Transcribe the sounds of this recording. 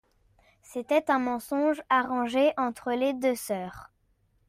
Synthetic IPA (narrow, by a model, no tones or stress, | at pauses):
set̪ɛt̪ɛ̃mɑ̃sɔ̃ʒaʁɑ̃ʒeʔɑ̃t̪χəled̪øsœːʁ